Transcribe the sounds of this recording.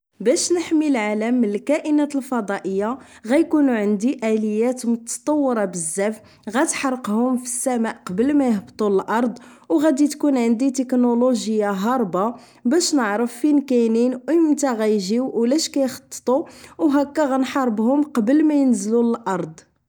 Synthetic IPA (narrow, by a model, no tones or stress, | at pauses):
bæʃnəħmilʕaləmːənəlkæʔənæt̪əlfɑd̪ˤɑʔəjːaɣæjkunuʕənd̪iʔæləjːæt̪mʊt̪ːɑ̥t̪ˤɑwːəɾˤɑbəzːæf | ɣæt̪ħɑɾˤqhʊmfi̥sːæmaʔqɑbəlmæjəhbt̪ˤuləlʔɑɾˤd̪ˤ | wɣæd̪it̪kunʕənd̪it̪əknoloʒəjːaɦɑɾˤbɑ | bæʃnəʕɾəfːinkæjninjəmt̪æɣæjʒiwwlæʃkæjxɑ̥t̪ˤːə̥t̪ˤuwɦækːæɣænħɑɾˤbhʊmqɑbəlmæjənzluləlʔɑɾˤd̪ˤ